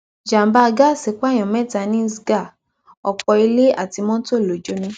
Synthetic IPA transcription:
d͡ʒa˨˦ba˧ɡa˦˨se˨˦k͡pa˦˨j̃ɔ̃˨mɛ̃˦˨ta˧˨˦nĩ˦sɡa˦˨ | ɔ˨k͡pɔ˧i˧le˦a̰˦˨ti˧˦mɔ̃˦to˦˨lo˨d͡ʒo˦nũ˧˦

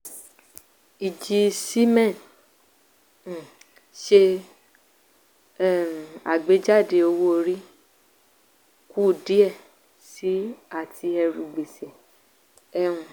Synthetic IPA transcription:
i˨d͡ʒi˧si˦mɛ̃˦˨n˨ | ʃe˧˦˨ | a̰˨ɡ͡be˨˦d͡ʒa˦˨de˧o˧wo˦o˧ɾi˦ | ku˦˨di˦ɛ˦˨ | si˨˦a˦˨ti˧ɛ˧ɾu˨ɡ͡be˨se˨ | ɛ˧ũ˧

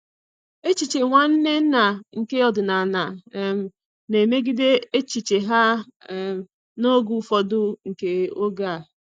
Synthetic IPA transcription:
e˦t͡ʃi˨t͡ʃe˨ŋʷa˦n̩˦ne˦n̩˦na˨ŋ̩˨ke˦ɔ˨dʊ˨na˨na˨˦m̩˨ | ne˨me˦ɡi˦de˦e˦t͡ʃi˨t͡ʃe˨ɦa˦˨˦ | no˦ɡu˨˦fɔ˨dʊ˦ŋ̩˨ke˦o˦ɡa˦˨

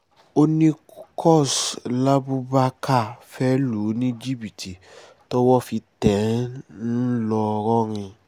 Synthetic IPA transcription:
o˦nĩ˦kʰɔ˦˨sla˦bu˦ba˦ka˦˨fɛ˦lu˨˦nĩ˦d͡ʒi˦bi˨ti˨ | tɔ˦wɔ˦fi˧tɛ˨˦n̩˦lɔ˧ɾɔ̃˦ɾ̃ĩ˧

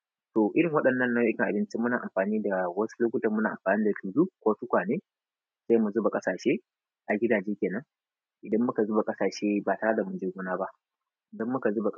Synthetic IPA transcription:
to˨ʔɪ˦ɽɪ˨ŋwɐ˦ɗɐ˨nːɐ˦nːɐ˦˨kʲɪ˨ŋʔa˨ɪ˦nt͡ʃɪ˦mːʊ˦naː˨ʔa̰˨mɸaː˨niː˦da˨wɐ˦su̥˦lʊ˦kʷʊ˦tɐ˨m˦naː˨ʔa̰˨ɸaː˨niː˦da˨tuː˨zuː˦kʷoː˦tʊ˦kʷaː˨neː˦ | za˦˨mu˨zʊ˦ba˨kʼɐ˦saː˨ʃeː˦ | ʔa˨ɡʲɪ˦daː˨d͡ʒeː˦kʲeː˨nɐ˦ŋ | ʔɪ˨dɐ˦mːʊ˦ka˨zu˦ba˨kʼɐ˦saː˨ʃeː˦ba˨ta˦ɽa˦da˨mʊ˨nd͡ʒeː˦ɡʷʊ˦naː˦ba˦ʔ | ʔɪ˨dɐ˦mːʊ˦ka˨zʊ˦ba˨kʼ

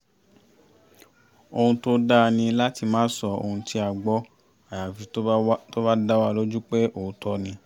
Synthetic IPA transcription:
o˧hũ˧to˦da˦nĩ˧la˦ti˧mãː˦sɔ˧o̰˧hũ˧ti˧˦a˨ɡ͡bɔ˦ | a˨ja˨fi˧to˦ba˦da˦wa˦˧lo˦d͡ʒu˦k͡pe˦o˨˧tʰɔ˧nĩ˧

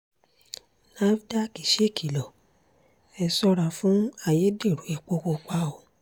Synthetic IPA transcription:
na˦vi˦da˦˨ki˨ʃe˦˨kʰi˨lɔ˨ | ɛ˧sɔ˧ɾa˨fũ˦a˦˨je˨˦de˦˨ɾu˨˦e˦˨k͡po˧ko˧k͡pa˧˦o˨˦

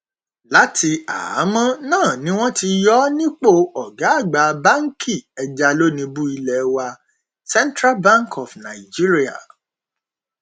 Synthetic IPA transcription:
la˨˦tʰi˧a̰˨a˨˦mã˦nãː˦˨nĩ˦w̃ɔ̃˦ti˧jɔ˦nĩ˦k͡po˦˨ɔ˨ɡa˨˦a˦˨ɡ͡ba˨˦ba˦ŋ̩˦kʰi˦˨ɛ˧d͡ʒa˧lo˦nĩ˧bu˦i˧lɛ˨wa˧ | sɛ˦ntɾa˦lbã˦ŋkʰɔ˨fnã˨i˨d͡ʒi˦ɾi˦a̰˨

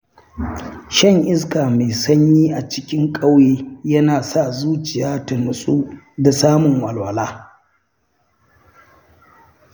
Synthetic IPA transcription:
ʃɐ˦˨ŋʔɪ˦skaː˨me˨sɐ˦ɲji˦ʔa˨t͡ʃɪ˦kʲɪ˦ŋkʼa˦wjeː˦jɐ˦naː˨sa˦˨zuː˦t͡ʃɪ˨jaː˦tɐ˨nʊ˨sʼu˦ | da˨saː˦mʊ˨ŋwɐ˨lwɐ˨laː˦

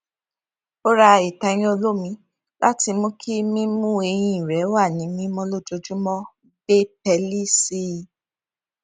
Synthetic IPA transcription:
o˦ɾa˧˨i˨tã˧j̃ĩ˦o˧lo˦mĩ˧˦ | lʔa˦ti˧mõ˧˦kʰi˦mĩ˦mũ˦e˧j̃ĩ˦ĩ˨ɾɛ˨˦wa˦˨nĩ˨˦mĩ˦mɔ̃˧lo˦d͡ʒo˧d͡ʒũ˦mɔ̃˦ | be˦pɛ˧li˦si˦˨

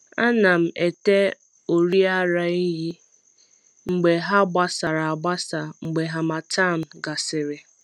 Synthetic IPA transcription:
a˦na˨m̩˨e˨te˦ | o˨ɾi˦a˦ɾa˨i˦ɦi˦ | ŋ͡m̩˨ɡ͡be˨ɦa˦ɡ͡ba˦sa˨ɾa˨a˨ɡ͡ba˦sa˨ŋ͡m̩˨ɡ͡be˨ɦa˨ma˨ta˦˨m̩˨ɡa˨sɪ˨ɾɪ˨

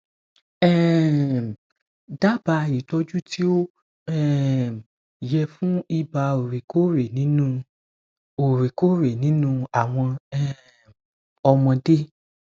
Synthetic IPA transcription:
ɛ˦ | da˦ba˧i˨tɔ˧˦d͡ʒu˦ti˦o˦ | ɛ˦˨ | jɛ˧fũ˦i˦ba˧o˨ɾe˨ko˦ɾe˨nĩ˨˦nũ˦ | o˨ɾe˨ko˦ɾe˨nĩ˨˦nũ˦a˨w̃ɔ̃˧ɛ˦ | ɔ˧mɔ̃˧de˦

